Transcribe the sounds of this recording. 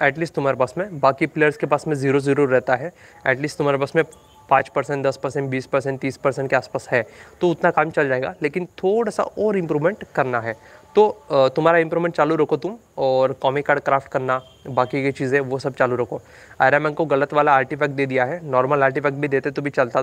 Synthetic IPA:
ɛːʈliːsʈt̪ʊm̤aːɾepaːsmẽbaːkipleːjəɾskepaːsmẽziːɾoziɾuːɾːɛɦt̪aɦɛ | ɛ̰ːʈliːsʈt̪ʊm̤aːɾebaːsmẽ | pãːt͡ʃpɐɾsɛ̃ɳʈd̪ɐspɐɾsɛ̃ɳʈbiːspɐɾsɛ̃ɳʈt̪iːspɐɾsɛ̃ɳʈkeaːspaːsɦɛːt̪oʊt̪nakaːmt͡ʃɐld͡ʒaːeːɡa̰leːkɪnt̪ʰoːɽasa̰ʔɔːɾɪ̃mpɾuːʋmẽɳʈkɐɾnaɦɛːt̪ot̪ʊmɦaːɾaɪ̃mpɾuːmẽɳʈt͡ʃaːluɾɐkʰot̪ʊm | ɔːɾkɔːmikaːɖ̚kɾaːfʈkɐɾna | baːkiket͡ʃiːzẽʋosɐb̚t͡ʃaːluɾɐkʰoː | a̰ːjɾamɛ̃nkoɣɐlət̪ʋaːlaaːɾʈifʰɛːk̚ʈ̚d̪eːd̪ijaɦɛnɔːɾməlaːɾʈ̬ifʰɛːk̚ʈ̚bʱid̪eːt̪et̪obʱit͡ʃɐlt̪a

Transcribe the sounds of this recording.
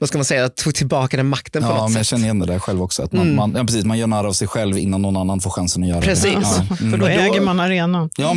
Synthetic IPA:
vaskalmansɛjːat̪ʰuːɡ̚t̪ʰɪlbɑːkad̪ɛnmakt̪ənpɔnɔtmɛsnjɑɕɛnːəɾjɛnd̪ɛd̪ɛhæɾɧɛlvɔksɔa̰t̪mamanjɑːpɾɛsiːsmanjœːɾɳæːɾaːvsɛjɧɛlvɪ̰nːanːɔnanːanfoːɾɧansənɔjœːɾaɾɛsiːsfœdɔɛːɡəɾmanaɾeːnajɑː

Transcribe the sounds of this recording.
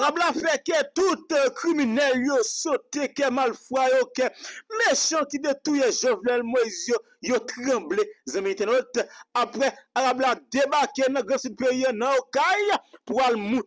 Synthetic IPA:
aɣablafɛkɛt̪ut̪kʁiminɛljosot̪ekɛmalfwajokɛmeʃãkid̪et̪ujeʒovnɛlmoizjo | jot̪ʁɐ̃blezɐ̃mĩɛ̃t̪ɛnɛt̪apɣɛaɣablad̪ebakenɐ̃ɡʁɐ̃sud̪̚peiãnɐ̃jokajpualmũ

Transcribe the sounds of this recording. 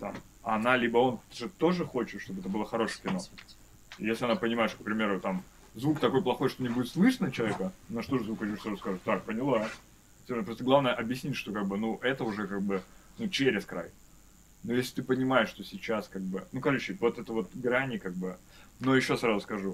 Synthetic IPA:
t̪a̰m | nalʲibəo̞nʐɨt̪o̞ʐɨxo̞t͡ɕɪt̪ʂt̪obəɛt̪əbɨlˠəxɐɾo̞ʂɨjkʲɪno̞ | jesʲlʲɪɐnapənʲɪmajɪʂt̪ok̚pɾʲɪmʲe̞ɾʊt̪am | zvukt̪ɐko̞jplˠɐxo̞jʂt̪onʲɪbudʲɪt̪slˠɨʂnət͡ɕɪlˠɐvʲekənɐʂt̪o̞ʐɨzvukt͡ɕusɾazʊskaʐɨt̪ʲt̪ak̚pənʲɪlˠḁ | sʲenəpɾot̪əɡlˠavnəjəʔɐbjɪsʲnʲitʲʂt̪o̞kaɡ̚bɨnuʔɛt̪əʊʐɛkaɡ̚bɨnut͡ɕeɾʲɪskɾa̰j | nojesʲlʲɪt̪ɨpənʲɪmajɪʂt̪o̞sʲɪt͡ɕːaskaɡ̚bɨnukɐrot͡ɕːɪvo̞t̪ɛt̪əvo̞t̪̚ɡɾanʲɪkaɡ̚bɨ | no̞jɪɕːo̞sɾazʊskɐʐu

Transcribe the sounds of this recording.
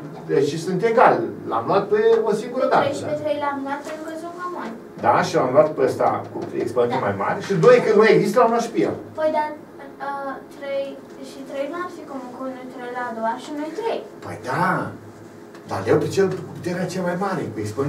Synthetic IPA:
d̪eʃisɨnt̪eɡalla̰mluat̪̚peosiŋɡuɾəd̪at̪eəpet̪ɾejlamlwat̪̚pent̪ɾukəzomamon | d̪a̰ʃiamluwat̪peəst̪a̰kṵt̪ɾḛjiksponemajma̰ɾʲsɨd̪ojekɨnd̪mojeɡzist̪lamluat̪ʃpia̰pojd̪a | ət̪ɾej | ʃit̪ɾejnuasikomukunut̪ɾejlad̪owaʃinojt̪ɾejpə̰jd̪a | d̪a̰lawpet͡ʃelkuput̪eɾeat͡ʃeamajmaɾepeikspən

